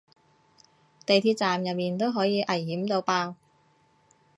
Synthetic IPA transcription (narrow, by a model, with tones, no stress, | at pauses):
t̪e˨jt̪ʰiː˧t̚t͡saː˨mjɐ˨t̚miː˨nt̪o˥wɦɔː˨˥jiː˨˧ʔɐ˨˩jhiː˨˥mt̪o˧wpaː˧w